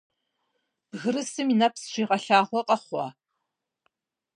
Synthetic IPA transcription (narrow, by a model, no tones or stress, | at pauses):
b̥ɣɨɾɨsɨminɐpsʃʷiːʁɐɬaːʁʷɔqʼɐχʷɑ̰ː